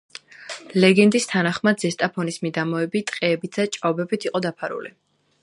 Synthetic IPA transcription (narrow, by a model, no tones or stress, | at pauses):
lɛɡɛnd̪ist̪ʰanaχmad̪zɛst̪ʼapʰɔnismid̪amɔɛbit̪ʼqʼɛːbit̪ʰd̪̥at͡ʃʼaɔbɛbit̪ʰiqʼɔd̪apʰaɾṵli